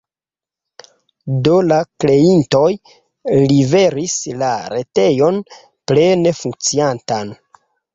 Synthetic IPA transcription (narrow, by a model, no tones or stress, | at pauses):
dolakle̞into̞j | live̞ɾislaɾe̞te̞jo̞n | ple̞ne̞fuŋk̚t͡siantan